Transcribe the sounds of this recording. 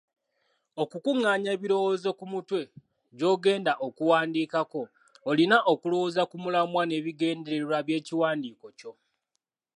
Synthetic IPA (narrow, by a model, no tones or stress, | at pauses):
o̞kukuŋːaːɲeːβiɾo̞wo̞ːzo̞kumutwe̞ | ɟo̞ːɡe̞ːndaʔokuwaːndiːkako̞ː | linaʔokulowoːzakumulamwane̞ːβiɡe̞ːndeɾeɾwaβje̞ːciwaːndiːko̞co̞